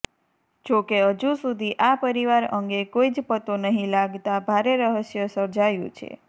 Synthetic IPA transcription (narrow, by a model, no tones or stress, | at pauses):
d͡ʒokeəd͡ʒũsud̪ʱiʔapəɾiʋaɾəŋɡekoid͡ʒpət̪onəɦĩlaɡt̪abʱaɾeɾəɦəʃjəsəɾd͡ʒajṵ̃t͡ʃʰḛ